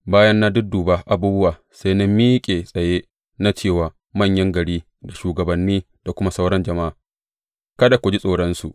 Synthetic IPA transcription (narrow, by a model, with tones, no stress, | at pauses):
baː˦jɐ˦nːa˦dʊ˦duː˨baː˦ʔa˦buː˦bʊ˦waː˨ | sa˦jna˦miː˦kʲʼeː˨sʼɐ˨jeː˦ | na˦t͡ʃeː˦˨waː˨ | mɐ˦˨ɲjɐ˦ŋɡɐ˨ɽiː˦ | da˨ʃuː˨ɡɐ˨bɐ˨nːiː˦ | d̥a˨kʷʊ˦ma˦sa˦wɽɐ˦nd͡ʒɐ˨ma˦ʔa˨ | kɐ˦da˨kʷʊ˨d͡ʒi˦sʼoː˨ɽɐ˦nsṵ˨ʔ